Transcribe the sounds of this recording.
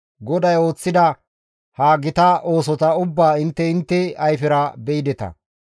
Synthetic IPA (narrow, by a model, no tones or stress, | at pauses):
ɡɔd̪ɐjo̞ːt͡sːɪd̪ɐ | haːɡɪt̪ɐʔo̞ːsɔt̪ɐʊbːaːɪnt̪ːɛɪnt̪ːɛɐjfɪɾɐbɛɪd̪ɛt̪ɐ̰